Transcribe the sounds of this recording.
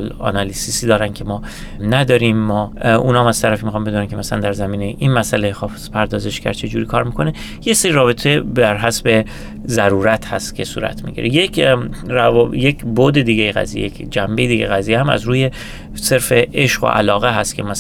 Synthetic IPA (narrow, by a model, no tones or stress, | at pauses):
lɒ̰nɒlisisiːd̪ɒːɾæncʲʰe̞mɒː | næd̪ɒːɾiːmːɒːʔṵːnɒːmæz̥t̪ʰæɾæfiːmixɒːmbed̪unænkʲcʰemæsælænd̪æɾzæmiːnejʔinmæsælejxɒːfzpʰæɾd̪ɒːze̞ʃcæ̰ɾt͡ʃʰe̞d͡ʒuːɾiːkʰɒːɾmikʰo̞ne | jeseɾiɾɒːbe̞t̪ʰebæɾɦæsbe̞ | zæɾuːɾæt̪hæst̪cʰe̞sṵːɾæ̰t̪ʰmḭɟḭɾejekʰrævjecʰbod̪e̞d̪iːɡejeɣæ̰zijḛjekʰd͡ʒæmbe̞jed̪iːɟejɣæziːjehæmæ̰zɾuːje̞ | se̞ɾfe̞ʔeʃɢo̰ʔæ̰lɒːɣeɦæst̪cʰemæs